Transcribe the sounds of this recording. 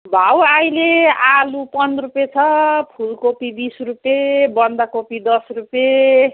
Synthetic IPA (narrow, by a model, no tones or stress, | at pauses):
bʱawajlealupʌndrupjet͡sʰʌpʰulkopibisrupjebʌnd̪akopid̪ʌsrupje